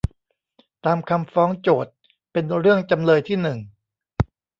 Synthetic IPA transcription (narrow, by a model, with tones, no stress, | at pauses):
t̪aː˧mkʰa˧mfɔː˦˥ŋt͡ɕoː˨˩t̪̚ | pe˧nɾɯ˥˩əŋt͡ɕa˧mlɤː˧jt̪ʰiː˥˩nɯ˨˩ŋ